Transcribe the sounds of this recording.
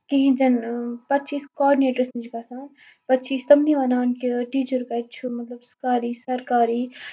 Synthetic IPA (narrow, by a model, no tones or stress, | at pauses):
kiɦĩd͡ʒɐnpɐt̪ːt͡ʃiːskɔːɖineːʈəɾsnid͡ʒkaːsaːn | pɐt̪ːt͡ʃiːst̪ɐmniʋɐnaːnkiʈiːt͡ʃuɾkɐːt͡ʃʰumɐt̪lɐbskaːɾiːsɐɾkaːɾiː